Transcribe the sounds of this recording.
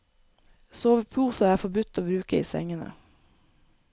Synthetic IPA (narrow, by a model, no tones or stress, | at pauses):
soːʋəpʰuːsəæːfɔbʉt̪ːoːbɾʉːkəḭːsɛ̰ŋənə̰